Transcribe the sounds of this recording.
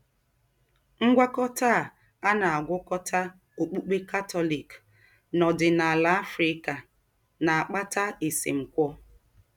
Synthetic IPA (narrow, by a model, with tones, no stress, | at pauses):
ŋ̩˦ɡʷa˦kɔ˦ta˦˨ | a˦na˨a˨ɡʷʊ˦kɔ˦tʰa˦ | o˨k͡pu˦k͡pe˦ka˦tɔ˦li˨k | nɔ˨dɪ˨na˨la˦a˦fɾɪ˦ka˨ | na˨a˨k͡pa˦ta˦e˨sḛ˨ŋ͡m̩˨kʷɔ˦